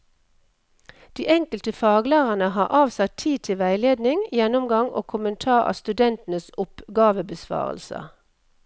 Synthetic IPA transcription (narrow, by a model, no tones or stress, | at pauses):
d̪̥iːʔɛŋkəlt̪əfɑːɡlæːʁənəɦɑːʁʔɑːʋsɑt̪ʰiːt̪ʰɪʋæɪleːd̪nɪŋjɛnʊmɡɑŋʔo̰ːkʰʊmənt̪ʰɑːʁɑ̰ːst̪ʉd̪ɛnt̪nəsʊpɡɑːʋəbəsʋɑ̰ːʁə̰lsə̰